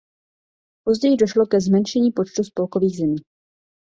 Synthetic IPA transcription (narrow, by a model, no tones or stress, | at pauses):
po̞zɟɛjɪdoʃlokɛzmɛnʃɛɲiːpo̞t͡ʃt̪uspo̞lkoviːɣzɛmiː